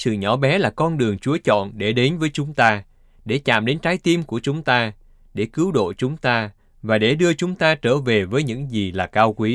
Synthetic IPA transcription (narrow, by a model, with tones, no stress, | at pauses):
sɨ̰˧˨ɲɔ˨˦ɓɛ˨˦laː˨˩kɔ˧nɗɨ˨˩əŋt͡ɕu˨˦ət͡ɕɔ̰˧˨nɗe˧˩ɗe˨˦nvəː˨˦jt͡ɕʊ˨˦ŋ͡mt̪aː˧ | ɗe˧˩t͡ɕa̰ː˧˨mɗe˨˦nt͡ɕaː˨˦jt̪i˧mku˧˩ət͡ɕʊ˨˦ŋ͡mt̪aː˧ | ɗe˧˩kɨ˨˦wɗo̰˧˨t͡ɕʊ˨˦ŋ͡mt̪aː˧ | vaː˨˩ɗe˧˩ɗɨ˧ət͡ɕʊ˨˦ŋ͡mt̪aː˧t͡ɕəː˧˩ve˨˩vəː˨˦jɲɨ̰˧˥ŋzi˨˩laː˨˩kaː˧wkwi˨˦